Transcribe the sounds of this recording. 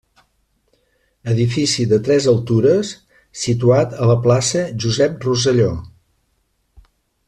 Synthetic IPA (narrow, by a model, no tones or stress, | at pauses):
əðifisiðət̪ɾɛzəlˠt̪uɾəsː | it̪uat̪ələplasəʒuzɛp̚ruz̬əʎo